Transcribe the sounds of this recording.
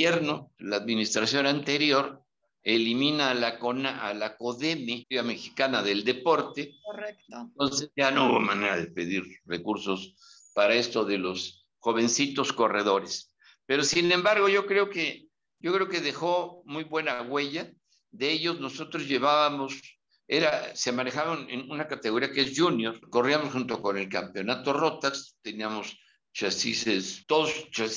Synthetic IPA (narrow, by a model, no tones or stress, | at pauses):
jeɾno̞laːðminist̪ɾasjo̞nant̪e̞ɾjo̞ɾ | e̞limĩnalakonaalako̞ðe̞meβame̞xi̥kanaðe̞ld̪e̞po̞ɾt̪e̞orekt̪ont̪o̞nsezʝano̞uβo̞̰mane̞ɾaðepe̞ðiɾre̞kuɾso̞s | paɾae̞st̪o̞ðe̞lo̞s | xo̞β̞e̞nsit̪o̞sko̞re̞ðo̞ɾes | pe̞ɾo̞sinẽ̞mbaɾɣo̞ʝo̞kɾe̞oke | ɟ͡ʝo̞kɾeoke̞ðexo̞mujβwe̞naɣwe̞ʝa | ðeeʝo̞zno̞so̞t̪ɾozʝe̞βaβamo̞s | e̞ɾasemane̞xaβanḛnunakat̪eɣ̞ɾiakee̞zʝunjo̞ɾko̞riamosxunt̪o̞ko̞ne̞lkampjo̞nat̪o̞ro̞t̪akst̪e̞niamo̞s | t͡ʃasḭsest̪oðost͡ʃas